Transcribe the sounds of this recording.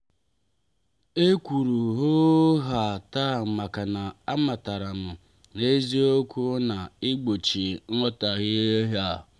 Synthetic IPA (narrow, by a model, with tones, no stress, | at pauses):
e˦kʷu˨ɾu˨ɦo˦ɦa˨ta˦˨m̩˨ma˨ka˨na˨a˦ma˨ta˨ɾa˨mʊ˨ | ne˦zi˦o˦kʷu˦na˨ɪ˦ɡ͡bo˨t͡ʃi˨ŋ̩˦ɔ˦ta˨ɣɪ˦e˦ɦa˦˨